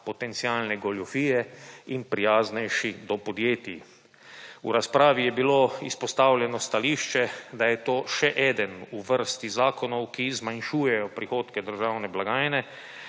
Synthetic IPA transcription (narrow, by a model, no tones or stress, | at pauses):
pɔt̪ɛnt̪siaːlnɛɡɔljɔfiːjɛinpɾijaːznɛjʃid̪ɔpɔd̪jeːt̪i | uɾaspɾaːʋijɛbiloːispɔst̪aːwlʲjɛnɔst̪aliːʃt͡ʃɛd̪ajɛt̪oːʃɛʔɛːd̪ənuʋəɾst̪izaːkɔnɔwkizmanʃuːjɛjɔpɾixoːt̪kɛd̪əɾʒaːwnɛblaɡaːjnɛ